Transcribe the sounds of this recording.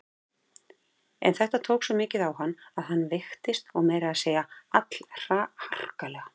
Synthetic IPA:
ɛ̰nθɛht̪at̪ʰoːwksɔmɪːcɪðawɦanːaðhanːvɪxt̪ɪst̪ɔɣmɛːjɾɪaðseːjaat̪l̥r̥ahar̥kalɛɣa

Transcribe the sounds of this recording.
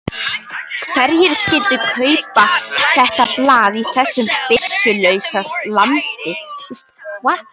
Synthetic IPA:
kʰvɛɾçɛɾ̥scɪːlt̪ʏkʰœːɥpaθɛht̪aplaːðiθɛsːʏmpɪsːʏlœɥsaslamt̪ɪθst̪kʰvat̪

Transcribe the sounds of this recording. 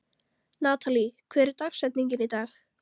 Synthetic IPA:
naːt̪ʰalikʰvɛːɾɪɾt̪axsɛt̪niɲcɪnit̪aːx

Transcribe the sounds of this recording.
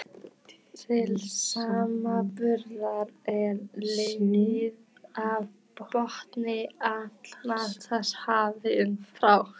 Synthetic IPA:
t̪ʰɪlsaːmapʏɾðaɾɛɾlejɲɪð | av | pɾɔht̪nɪat̪l̥nḁt̪ʰashaːvɪnfɾaw

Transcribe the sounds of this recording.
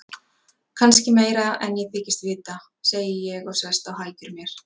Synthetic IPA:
kʰanscɪmeːjɾaɛnjɛɣθɪːcɪst̪vɪːt̪a | seːjɪjɛɣawsvɛst̪awhaːjcʏɾmjɛɾ̥

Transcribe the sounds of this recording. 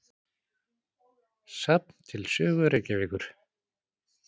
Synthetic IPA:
sap̚n̥t̪ʰɪlsʏːɣʏɾɛcɪvɪːkʏɾ̥

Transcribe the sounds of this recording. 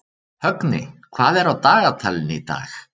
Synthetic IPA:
hœknɪ̰kʰvaːðɛɾawt̪aːɣat̪ʰalɪnit̪a̰ːx

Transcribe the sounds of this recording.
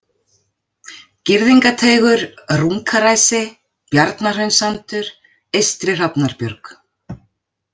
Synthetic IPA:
cɪɾðiŋkat̪ʰeːjɣʏɾruŋkʰaɾaːjsɪ | pjaɾt̪nar̥œɥnsant̪ʏɾ̥ | ejst̪ɾɪr̥apnaɾpjœɾk

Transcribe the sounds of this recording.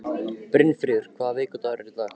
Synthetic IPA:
pɾɪnfɾiːðʏɾ̥kʰvaːðavɪːkʏt̪aɾɛɾɪt̪a

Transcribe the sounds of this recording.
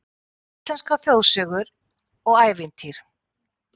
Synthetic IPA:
it̪anskawθjowsœːɣʏɾ | ɔɣaːjvɪnt̪ʰiɾ̥

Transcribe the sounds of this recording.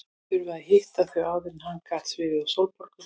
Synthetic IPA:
θʏɾvʏaðhɪht̪aθvœaːwðɪnhankʰaːht̪svɪðɪðawsowlpɔɾ̥kʏ

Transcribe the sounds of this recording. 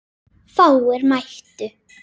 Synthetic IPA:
faːwɛɾmajht̪ʏ

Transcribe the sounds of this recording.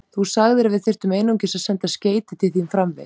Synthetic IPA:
θusaɣðɪɾavɪðθɪr̥t̪ʏmejnuwŋcɪsaðsɛnt̪asceːjt̪ɪt̪ʰɪlθimfɾamvɪ̰

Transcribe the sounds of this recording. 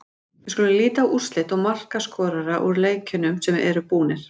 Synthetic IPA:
vɪɾskølɪliːt̪aʔur̥st̪lɪt̪ɔɣmar̥kaskɔːɾaɾaʔuɾleːjcʰʏnʏmsɛmɛ̰ɾʏpuːnɪɾ̥

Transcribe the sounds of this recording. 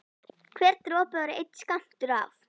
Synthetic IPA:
kʰvɛːɾt̪ɾɔːpaaɾɪejt̪skam̥t̪ʏɾaf

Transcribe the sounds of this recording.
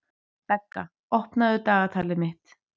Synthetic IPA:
pɛkːa̰ | ɔhpnaðʏt̪aːɣat̪ʰaːlɪmɪht̪

